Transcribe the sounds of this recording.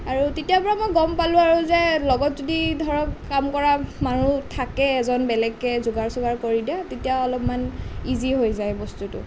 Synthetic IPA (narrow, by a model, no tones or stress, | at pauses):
aɹutetijapɔɹamojɡɔmpalʊ̃aɹuzɛlɔɡɔtzodidʱɔɹɔkːamkɔɹamanutʰakɛːzɔnbɛlɛɡːɛzʊɡaɹsʊɡaɹkoɹidiatetijaɔlɔpmaniziɦojzajbɔstutʊ̰